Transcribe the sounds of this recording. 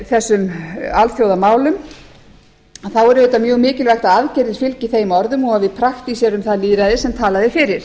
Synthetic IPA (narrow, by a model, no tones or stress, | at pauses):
θɛsːʏmalθjowðamaːwlʏm | aθawɛɾʏðɛːt̪amjœːɣmɪːcɪlvajxt̪aðaðcɛɾðɪ̥fɪlciθejmɔɾðʏmɔɣaðvɪðpʰɾaxt̪isjɛɾʏmθaðliːɾaðɪsɛmt̪ʰaːlaðɪfɪːɾɪɾ̥